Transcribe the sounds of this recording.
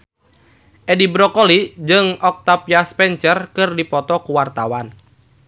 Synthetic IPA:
ʔɛdibɾɔkolid͡ʒɨŋɔk̚t̪apjaspɛnt͡ʃərkɨrdipɔt̪ɔkuwart̪awan

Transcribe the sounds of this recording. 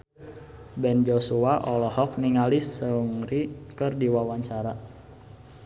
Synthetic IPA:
bɛnd͡ʒosuaʔɔlɔhɔk̚niŋalisəuŋɾikərdiwawaɲt͡ʃaɾa

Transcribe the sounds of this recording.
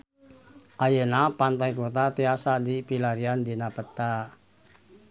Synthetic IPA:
ʔajənapant̪ajkot̪at̪easadipilaɾiand̪inapət̪a

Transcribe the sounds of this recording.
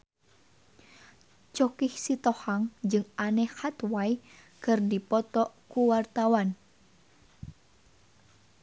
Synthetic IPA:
t͡ʃɔkihsit̪ɔhaŋd͡ʒɨŋanɛhhat̪waj | kɨrdipɔt̪ɔʔkuwart̪awan

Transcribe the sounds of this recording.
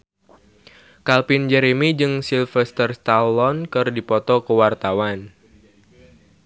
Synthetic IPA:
kalpind͡ʒɛɾemid͡ʒɨŋsilfɛst̪ərst̪alɔnkɨrdipɔt̪ɔkəwart̪awan

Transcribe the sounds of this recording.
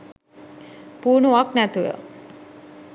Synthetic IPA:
puɾnoʌknat̪ʰujʌ̰

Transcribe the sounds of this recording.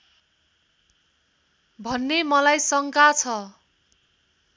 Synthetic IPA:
bʱʌnːemʌlajsʌŋkat͡sʰʌ

